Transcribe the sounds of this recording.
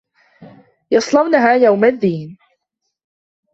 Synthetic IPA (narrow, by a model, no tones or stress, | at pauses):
jɑsˤlɑwnaɦaːjawmaðːiːn